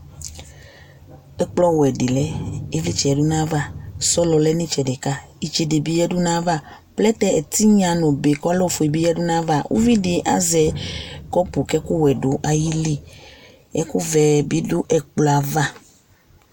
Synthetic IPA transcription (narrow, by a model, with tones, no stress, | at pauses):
ɛ˦k͡plɔ˦wɛ˨ɖi˨lɛ˦e˦vi˦t͡ʃɛ˨ɛ˨du˦nã˦va˦sɔ˦lɔ˨lɛ˦nĩ˦t͡ʃɛ˨de˨ka˦ | i˨t͡ʃɛ˨de˨bi˨˦jɛ˦ɖu˦nã˦va˦ | plɛ˦t̪ɛ˦ɛ˨t̪i˦ɲã˨nõ˨be˨kɔ˦lɔ˦˨fo˨e˨bi˦jɛ˦ɖu˦nã˦va˦˨wʔṵ˦vi˦ɖe˨ʔa̰˦zɛ˨kɔ˦pu˨kɛ˦ku˦wɛ˨ɖo˦ʔa˨ji˦li˦ | ɛ˦ku˦vɛ˨bi˦do˦ʔɛ˨k͡pla˨va˦